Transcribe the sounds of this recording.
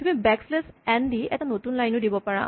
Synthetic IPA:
t̪umibɛkslesɛnd̪iɛ̰tanotunlajnudibɔpaɹã̰

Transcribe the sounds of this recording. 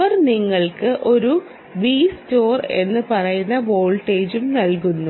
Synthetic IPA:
ɐrniŋːɐɭkɨʔo̞ɾu | ʋiːsto̞ːre̞̰nːɨpɐrɐjunːɐʋo̞ːɭʈe̞ːd͡ʑumnɐlkunːu

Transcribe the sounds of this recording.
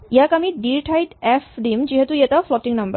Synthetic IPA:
jakamiːɖiɾʈʰajʈɛfɖimd͡ʑiɦɛt̪ũjɛt̪aflɔʈiŋnəmbə̰ɾ

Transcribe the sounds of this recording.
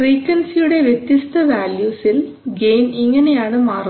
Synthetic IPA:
riːkːɐnsijuɽe̞ʋjet̪jɐst̪ʰɐʋaːljuːsil | ɡe̞ːniŋːɐne̞jaːɳɨmaːr

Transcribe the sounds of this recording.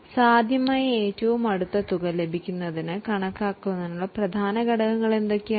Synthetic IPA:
saːd̪ʱjɐmaːjɐeːtːuʋumɐɽut̪ːɐt̪uɡɐle̞bʱikʲːunːɐðinɨkɐɳɐkːaːkːuʋenːɐnːuɭːɐprɐd̪ʱaːnɐɡɐɽɐɣɐŋːɐɭe̞nd̪o̞kːe

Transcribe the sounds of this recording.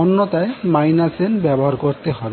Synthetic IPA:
ɔnːot̪aemajnasenbɛboɦaɾkoɾt̪eɦɔbe

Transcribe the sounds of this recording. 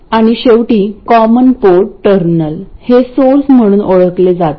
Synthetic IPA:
aɽ̃iɕewʈiːkɔmənpoɾʈəɾnəlhesoɾsm̤əɽ̃uːnʔoɭəkled͡zat̪

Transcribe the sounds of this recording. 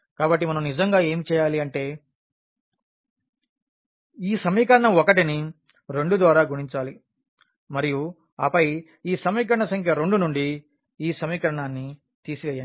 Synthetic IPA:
kaːbɐʈːimɐnɐmnid͡ʒɐŋɡaːeːmit͡ʃɛːjaːliɐɳʈe̞ː | iːsɐmiːkɐɾɐɳɐmɔkɐʈini | ɾe̞ɳɖud̪ʋaːɾaːɡuɽiɲt͡ʃaːli | mɐɾiju | ɐ̰ːpɐj | iːsɐmiːk̬ɐɾɐɳɐsɐŋkʰjɐɾe̞ɳɖunuɳɖi | iːsɐmiːkɐɾɐɳaːnːi | t̪iːsiʋeːja

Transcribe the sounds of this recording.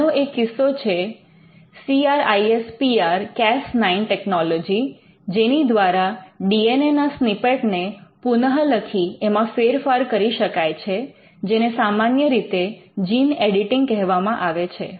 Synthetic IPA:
oʔekːɪsot͡ʃʰe | siaɾajespiaɾkɛsnainʈɛknɔlɔd͡ʒi | d͡ʒenid̪ʋaɾaɖienenasnipeʈnepunəɦələkʰiemãfeɾfaɾkəɾiʃəkajt͡ʃʰe | d͡ʒenesamanjəɾit̪ed͡ʒineɽiʈɪŋɡ̚kɛɦʋamãʔaʋet͡ʃʰḛ

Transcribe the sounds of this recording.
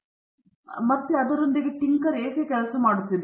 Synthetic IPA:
mɐt̪ːeɐd̪ɐɾund̪eɡeʈiŋkɐɾeːkeːkɛlɐsɐmaːɽut̪ːilː

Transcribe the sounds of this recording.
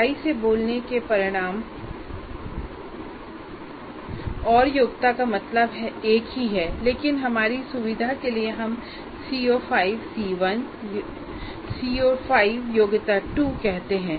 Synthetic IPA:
aːiseboːlnekepɐɾɪɽ̃aːm | ɔːɾjoːɡt̪akamɐt̪ləbɦɛeːkɦiɦɛːleːkɪnɦɐmaːɾisʊʋɪd̪ʱakelieɦɐm | siːoːfaːɪʋsiːʋən | siːoːfaːɪʋjoːɡt̪aʈukɛɦt̪eɦɛ̃ː

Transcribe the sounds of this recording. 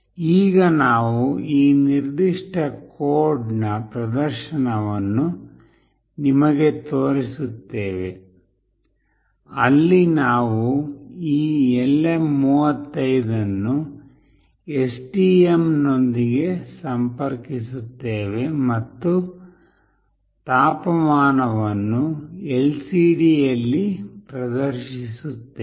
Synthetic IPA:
iːɡɐnaːʋuiːniɾd̪iʂʈɐkoːɾɖnɐpɾɐd̪ɐɾʃɐnɐʋɐnːu | nimɐɡe̞t̪oːɾisut̪ːe̞ːʋe̞ | ɐlːinaːʋuiːelːemuːʋɐt̪ːɐjd̪ɐnːu | esʈiːemno̞nd̪iɡe̞sɐmpɐɾkisut̪ːeːʋe̞mɐt̪ːu | t̪aːpɐmaːnɐʋɐnːuelsiːɖijɐlːipɾɐd̪ɐɾʃisut̪ːe

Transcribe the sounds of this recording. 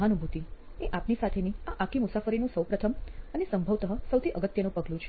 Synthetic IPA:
ɦanubʱut̪i | eʔapnisat̪ʰeniaʔakʰimʊsafəɾinũsəwpɾət̪ʰəmənesəmbʱəʋt̪əɦəsəwt̪ʰiʔəɡət̪jənũpəɡlũt͡ʃʰ

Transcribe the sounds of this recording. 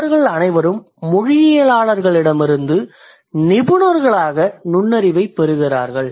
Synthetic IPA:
ɾɣɐɭɐnɐɪʋɐɾɯmː | ʊɻɪjɪjɐlaːɭɐɾɣɐɭɪɽɐmɪɾɯnd̪ɯ | nɪbɯnɐɾɣɐɭaːɣɐnʊɳːɐɾɪʋɐɪpːɛɾɯɣɪra̰ːɾɣɐɭ

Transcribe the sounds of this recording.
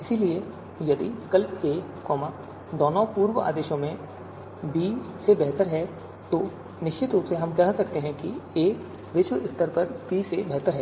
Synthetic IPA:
ɪsilie | jɐd̪ḭkɐlpeː | kɔːma | d̪ɔːnɔpuːɾʋəa̰ːd̪eːʃõmẽ | bisebɛɦt̪əɾɦɛ | t̪oː | nɪʃt͡ʃɪt̪ɾuːpseɦɐmkɐɦsɐkt̪eɦɛ̃kieː | ʋɪʃwəʔɪst̪əɾpɐɾbiːsebɛɦt̪əɾɦɛː

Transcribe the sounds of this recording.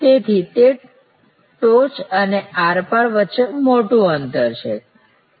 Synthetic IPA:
t̪et̪ʰit̪e | ʈot͡ʃəneaɾpaɾʋətːʃemoʈũənt̪əɾt͡ʃʰḛ

